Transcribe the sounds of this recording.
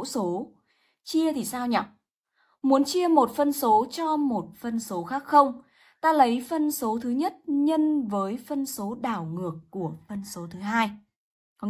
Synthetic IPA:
so˨˦ | t͡ɕi˧ət̪ʰi˨˩saː˧wɲɔ˨˩k͡p̚ | mu˨˦ənt͡ɕi˧əmo˨˩t̚fə˧nso˨˦t͡ɕɔ˧mo˨˩t̚fə˧nso˨˦xaː˦˥k̚xə˧wŋ͡m | t̪aː˧lə˨˦jfə˧nso˨˦t̪ʰɨ˨˦ɲə˦˥t̚ɲə˧nvəː˨˦jfə˧nso˨˦ɗaː˧˩wŋɨ˨˩əkːu˧˩əfə˧nso˨˦t̪ʰɨ˨˦ɦaː˧j

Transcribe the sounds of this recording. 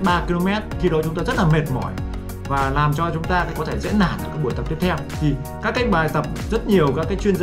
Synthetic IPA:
ɓaː˧ki˧lo˧mɛ˦˥t̚xi˧ɗɔ˨˦t͡ɕʊ˨˦ŋ͡mt̪aː˧zə˦˥t̚laː˨˩me˨˩t̚mɔ̰˧˩j | vaː˨˩laː˨˩mt͡ɕɔ˧t͡ɕʊ˨˦ŋ͡mt̪aː˧kːkɔ˨˦t̪ʰe˧˩zɛ̰˧˥nːa̰ː˧˩˨nʔə̰˨˧˩kaː˨˦˥ɓu˧˩ət̪ə˨˩p̚t̪i˦˥ət̪ʰɛ˧wt̪ʰi˨˩ | kaː˦˥kːa˦˥k̟̚ɓaː˨˩jt̪ə˨˩p̚zə˦˥t̚ɲi˨˩əwkaː˦˥kːaː˨˦jt͡ɕwi˧ənza˧

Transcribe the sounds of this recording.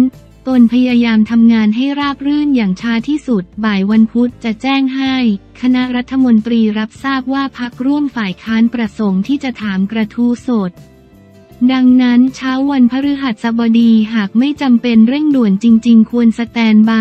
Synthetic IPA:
n | t̪o˧npʰa˧jaː˧jaː˧mt̪ʰa˧mŋaː˧nɦa˥˩jɾaː˥˩p̚ɾɯː˥˩njaː˨˩ŋt͡ɕʰaː˦˥t̪ʰiː˥˩su˨˩t̪̚baː˨˩jwa˧npʰu˦˥t̪̚t͡ɕa˨˩t͡ɕɛː˥˩ŋɦa˥˩jkʰa˧na˦˥ʔɾa˦˥t̪ʰːa˧mo˧nt̪ɾiː˧ɾa˦˥p̚saː˥˩p̚waː˥˩pʰa˦˥k̚ɾu˥˩əmfaː˨˩jkʰaː˦˥npɾa˧so˩˦ŋt̪ʰiː˥˩t͡ɕa˨˩t̪ʰaː˩˦mkɾa˧t̪ʰuː˦˥so˨˩t̪̚ | da˧ŋna˦˥nt͡ɕʰaː˦˥wːa˧npʰa˦˥ɾɯ˦˥ɦa˨˩t̪̚sa˨˦bɔ˧diː˧ɦaː˨˩k̚ma˥˩jt͡ɕa˧mpe˧nɾɯ˥˩ŋdu˨˩ənt͡ɕi˧ŋt͡ɕi˧ŋkʰu˧ənsa˧t̪ɛː˧nbaː˥˩

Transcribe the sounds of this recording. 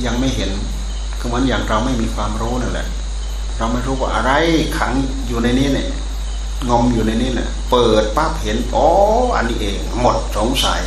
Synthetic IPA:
ja˧ŋma˥˩jɦe˨˩˦n | kʰɯ˧˩mɯ˨˦ənjaː˨˩ŋɾa˧wma˥˩jmiː˧kʰwaː˧mɾuː˦˥˨na˧˩lɛ̰˧˦ʔ | ɾa˧wma˥˩jɾuː˦˥˩wa̰ː˧˩ʔa˧ɾa˧jkʰa˨˦ŋ | juː˨˩na˧jniː˦˥˩na̰˧˩ | ŋɔ˧mjuː˨˩na˧jniː˦˥˨na̰˧˦ | pɤː˨˩t̪̚pa˦˥˩p̚he˨˦nʔɔː˦ʔa̰˧nːiː˦˥ʔeː˨˧˩ŋmo˨˩t̪̚so˨˦ŋsa̰˨˦j

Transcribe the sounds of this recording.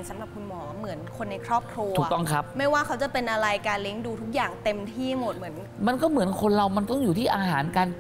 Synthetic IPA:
sa˩˦mɾa˨˩p̚kʰu˧nmɔː˩˦˩mɯ˩˦ənkʰo˧nːa˧jkʰɾɔː˥˩p̚kʰɾuː˧uː˨˩kt̪ɔ˥˩ŋkʰa˦˥p̚ma˥˩jwaː˥˩kʰa˦˥wt͡ɕa˨˩pe˧nʔa˧ɾa˧jkaː˧nle˦˥ŋduː˧t̪ʰu˦˥k̚jaː˨˩ŋt̪e˧mt̪ʰiː˥˩mo˨˩t̪̚mɯ˩˦ən | ma˧nkɔː˥˩mɯ˩˦ənkʰo˧nɾa˧wma˧nt̪ɔ˥˩ŋjuː˨˩t̪ʰiː˥˩ʔaː˧ɦaː˩˦nkaː˧n

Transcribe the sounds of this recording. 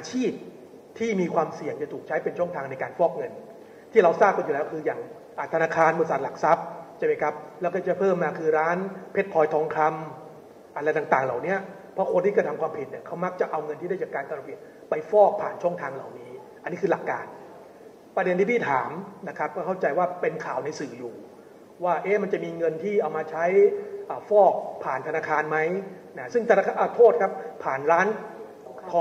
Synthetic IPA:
ʔaː˧t͡ɕʰiː˥˩p̚ | t̪ʰiː˥˩miː˧kʰwaː˧msi˨˩əŋt͡ɕa˨˩t̪ʰuː˨˩k̚t͡ɕʰa˦˥jpe˧nt͡ɕʰu˥˩ŋt̪ʰaː˧ŋna˧jkaː˧nfɔː˥˩k̚ŋɤ˧n | t̪ʰiː˥˩ɾa˧wsaː˥˩p̚ka˧njuː˨lɛː˦˥wkʰɯː˧jaː˨˩ŋ | ʔaː˨˩t̪ʰa˧naː˧˥kʰaː˧nbo˨˩sa˨˩t̪̚la˨˩k̚sa˦˥p̚t͡ɕʰa˥˩ma˦˥jkʰɾa˦˥p̚lɛː˦˥kɔː˥˩t͡ɕa˧˩pʰɤː˥˩mːaː˧kʰɯː˧ɾaː˦˥npʰe˦˥t̪̚kʰɔː˧jt̪ʰɔː˦˧˥ŋkʰɾa˧m | ʔa˧ɾa˧jt̪aː˨˩ŋt̪aː˨˩ŋlaː˨˩wni˦˥ɐ | pʰɔ˦˥kʰo˧nt̪ʰiː˥˩kɾa˧t̪ʰa˧mkʰwaː˧mpʰhe˨˩t̪̚ni˥˩ɐkʰa˦˥wma˦˥k̚t͡ɕa˨˩ʔa˧wŋɤ˧nt̪ʰiː˥da˥˩t͡ɕa˨˩kːaː˧nka˧ɾa˧pʰi˨˩t̪̚ | pa˧jfɔː˥˩k̚pʰaː˨˩nt͡ɕʰu˥˩ŋt̪ʰaː˧ŋla̰˨˩wniː˦˥ | ʔa˧nːiː˦˥kʰɯː˧la˨˩kːaː˧n | pɾa˧de˧nt̪ʰiː˥˩iː˥˩t̪ʰaː˩˦mna˦˥kʰa˦˥p̚kɔː˥˩kʰa˥˩wt͡ɕa˧jwaː˥˩pe˧nkʰaː˨˩wna˧jsɯː˨˩juː˨˩ | waː˥˩ʔeː˦˥ma˧nt͡ɕa˨˩miː˧ŋɤ˧nt̪ʰiː˥˩ʔa˧wmaː˧t͡ɕʰa˦˥jʔəː˨˩fɔː˥˩k̚pʰaː˨˩nt̪ʰa˧naː˧kʰaː˧nma˦˥j | na˦˥sɯ˥˩ŋt̪a˧ʔt̪ʰoː˥˩t̪̚kʰa˦˥p̚ʰːaː˨˩nɾaː˦˥n | kʰɔ˧˦

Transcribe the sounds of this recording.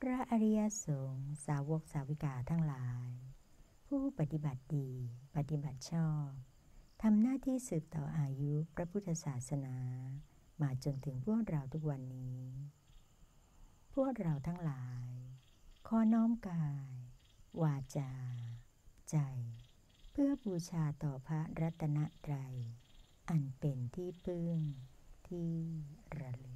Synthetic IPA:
pʰɾa˦˥ʔa˧ɾi˦˥ja˧˥soː˩˦ŋsaː˩˦wo˧˦˥k̚saː˨˦wi˦˥kaː˨˩t̪ʰa˦˥ŋlaː˩˦j | pʰuː˥˩pa˨˩t̪i˨˩ba˨˩t̪̚diː˧pa˨t̪i˨˩ba˨˩t̪̚t͡ɕʰɔː˥˩p̚ | t̪ʰa˧mnaː˥˩t̪ʰiː˥˩sɯː˨˩p̚t̪ɔː˨˩ʔaː˧ju˦˥pɾa˦˥pʰu˦˥t̪ʰːa˧saː˨˩t̪̚sa˧naː˩˦ | maː˨˦jt͡ɕo˧nt̪ʰɯ˩˦ŋpʰu˥˩ək̚ɾa˧wt̪ʰu˦˥k̚wa˧nːiː˦˥˦ | pʰu˥˩ək̚ɾa˧wt̪ʰa˦˥ŋlaː˩˦j | kʰɔː˦˥nɔː˦˥mkaː˧j | waː˧t͡ɕaː˧ | t͡ɕa˧j | pʰɯ˥˩əbuː˧t͡ɕʰaː˧t̪ɔː˨˩pʰɾa˦˥ɾa˦˥t̪ʰːa˧na˦˥ʔt̪ɾa˧j | ʔa˧npe˧nt̪ʰiː˥˩pʰɯ˥˩ŋt̪ʰiː˥˩ɾa˧lɯ˧˩

